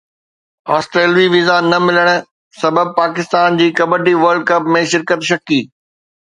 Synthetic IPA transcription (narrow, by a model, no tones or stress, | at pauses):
aːsʈɾeːlʋiʋɪzanɐmɪləɽ̃ | sɐbəb̚paːkɪst̪aːnd͡ʑiːkɐbəɖiʋɐɾɖ̚kɐpmẽʃɪɾkət̪ʃɐkiː